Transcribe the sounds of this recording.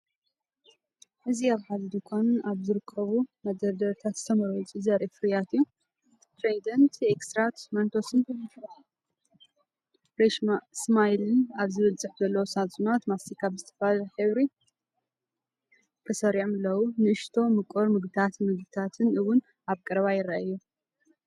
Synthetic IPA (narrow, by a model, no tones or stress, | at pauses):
ʔɨziaβħazd̪ikʰonnaβzɨɾɨkʰːɐβumɐd̪ɐɾd̪ɐɾt̪ʰat̪zɨ̥t̪ʰɐmɐɾojt͡sʼuzɐɾʔefɨɾijat̪ɨjːu | t̪ʰɾezid̪ɐnt̪ʰekst̪ɾat̪mɐnt̪ʰosɨn | ɾeʃsmajlɨnaβzɨβɐlt͡sʼɨħzɐlːɐwosat͡sʼunat̪masikʰaβzɨt̪ʰɐ̥flaħɨβɾi | kʰʼɨsɐɾiʕmlːɐwunɨʔɨʃt̪ʰo̞mɨkʼoɾmɨɡ̪t̪ʰat̪mɨɡd̪ɨt̪ʰat̪ʰɨnɨwʊn | aβkʼɐɾβajɪɾɐʔajːu